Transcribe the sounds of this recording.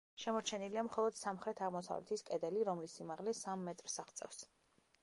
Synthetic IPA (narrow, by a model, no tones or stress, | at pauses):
ʃɛmɔɾt͡ʃʰɛniliamχɔlˠɔd̪̥samχɾɛt̪ʰaʁmɔsa̰vlɛ̰t̪ʰiskʼɛd̪ɛliɾɔmlisimaʁlɛsamːɛt̪ʼɾsaʁt̪sʼɛ̰fs